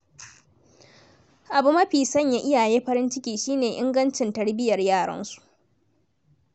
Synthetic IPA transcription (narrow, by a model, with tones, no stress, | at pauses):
ʔa˨bu˦mɐ˦ɸiː˨sɐ˦ɲjaː˦˨ʔɪ˦jaː˨jeː˦ɸɐ˦ɾɪ˦nt͡ʃɪ˦kʲiː˨ʃiː˦neː˨ʔɪ̰˦ŋɡɐ˦nt͡ʃɪ˨ntɐ˦ɽbɪ˦jɐ˨rjaː˦˨ɽɐ̰˦nsu̥˨ʔ